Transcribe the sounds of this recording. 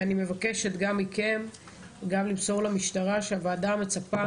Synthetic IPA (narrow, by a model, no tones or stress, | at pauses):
anime̞vake̞ʃetɡamːike̞m | ɡamlimso̞ʁlamiʃtaʁaʃeavaːdame̞t͡sapa